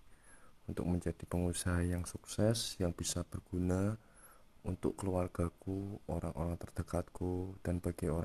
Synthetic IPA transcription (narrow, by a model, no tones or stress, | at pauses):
unt̪ʊ̰k̚məɲd͡ʒad̥ipəŋusaɦajaŋsuksɛsjaŋb̥isab̥ərɡ̥una | unt̪ʊ̰kkːəluarɡ̥a̤kuoɾaŋʔo̰ɾaŋt̪ərd̥ə̤kat̪̚kud̥anb̥aɡ̥eoɾa